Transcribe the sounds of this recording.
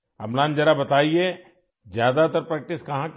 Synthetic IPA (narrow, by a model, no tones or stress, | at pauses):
ɐ̰mlãːnd͡ʒɐɾabɐt̪aːie | zjaːd̪at̪ɐɾpɾɛk̚ʈɪskɐɦãk